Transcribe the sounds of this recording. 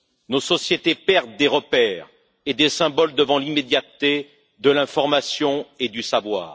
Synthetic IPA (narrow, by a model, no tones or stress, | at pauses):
nosɔsjet̪epɛʁd̪ːeʁəpɛːʁ | ed̪esɛ̃bɔld̪əvɑ̃limed̪jat̪ːe | d̪əlɛ̃fɔʁmasjɔ̃ed̪ysavwa̰ːʁ